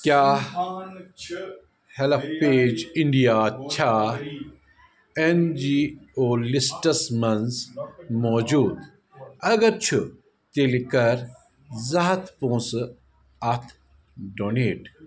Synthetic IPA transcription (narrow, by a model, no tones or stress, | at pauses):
kjaː | helppeːd͡ʒiɳɖijaːt͡ɕʰaː | end͡ʒiːoːlisʈɐsmɐnzmɔːd͡ʒuːd̪ | ɐɡɐɾt͡ʃʰu | t̪elikɐɾ | zɐɦɐt̪ʰpõːsɨ | ɐt̪ʰ | ɖoːneːʈ